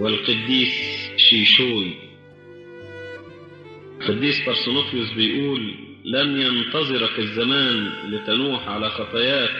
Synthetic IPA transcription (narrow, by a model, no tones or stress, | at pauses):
wɪlqɑd̪ːiːsʃiːʃuːj | lqɑd̪ːiːsbɑɾˤsʊnofjʊsbɪjʔuːlː | anjɑnt̪ɑzˤɨɾakɪzːamaːnlit̪anuːħʕalaxɑt̪ˤɑjaːt̪